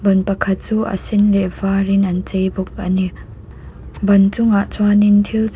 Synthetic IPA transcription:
bɐnpɐkʰɐt̪̚t͡suːʔɐ̰sɪnlɛʔvarɪnʔɐnt͡sejbʊk̚ʔani | bɐnt͡sʊŋaʔt͡swanɪnt̪ʰilt͡s

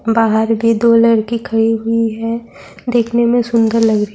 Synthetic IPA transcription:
baːɦəɾbʱid̪oːlɐɽkikʰɐɽiɦʊiɦɛ | d̪eːkʰnemẽsʊ̃nd̪əɾlɐɡɾə

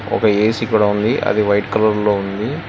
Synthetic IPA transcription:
ɔ̰kɐeːsiːkuːɽaːund̪iʔɐ̰d̪iʋɐjʈkɐlɐɾloːund̪i

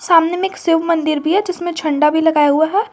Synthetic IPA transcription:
saːmnemẽːksɪʋmɐ̃nd̪ɪɾbʱiɦɛd͡ʒɪsmẽt͡ʃʰɐ̃ɳɖabʱilɐɡaːjaɦuaɦɛː

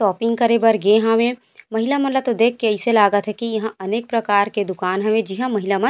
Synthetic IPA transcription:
sɔːpɪ̃ŋɡ̚kɐɾebɐɾɡẽɦãʋẽ | mɐɦɪlamɐ̃nlat̪od̪eːkʰːeɛɪselaːɡət̪ɦɛkijɐɦãɐneːk̚pɾɐkaːɾked̪ʊkaːnɦɐʋẽd͡ʒɪɦãmɐɦɪlamɐ̃

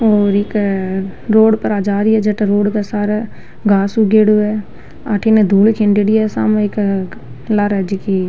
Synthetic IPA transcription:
oːɾɪk | ɾoːɽpəɾaːd͡ʒaːɾiɦɛd͡ʒɐʈɾoːɽkasaːɾa | ɡaːsuɡeːɽoɛ | aːʈʰined̪ʱuːlkʰɪ̃ɳɖeɽiɛsa̰mɪk | laɾɛd͡ʒiki

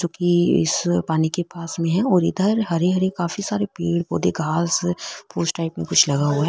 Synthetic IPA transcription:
d͡ʒõːkiɪ̰spaːnikepaːsmẽɦɛ̃ɔːɾɪd̪əɾɦɐɾeɦɐɾekaːfisaːɾepiːɽpoːd̪eɡʱaːspuːsʈaːɪpmẽkʊt͡ʃʰlɐɡaɦoaɦ

